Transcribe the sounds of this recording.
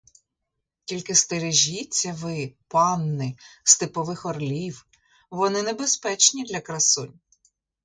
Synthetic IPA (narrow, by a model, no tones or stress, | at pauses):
tʲilʲkɪst̪eɾeʒʲit͡sʲːɐʋɪpɑnːɪst̪ɪpɔʋɪxɔrlʲiw | ʋɔnɪnebespɛt͡ʃnʲid̪lʲɐkɾɐsʊnʲ